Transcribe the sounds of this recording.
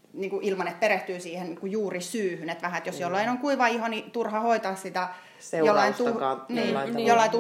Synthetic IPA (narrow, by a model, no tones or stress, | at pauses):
niːŋkuʔilmɑnet̪̚pereht̪yːsiːhenniŋkujuːrisyːhynet̪ʋæhæet̪josjolːɑinoŋkuiʋɑihɑnit̪urhɑhoit̪ɑːssit̪æ | jolːɑint̪uniːjolːɑit̪u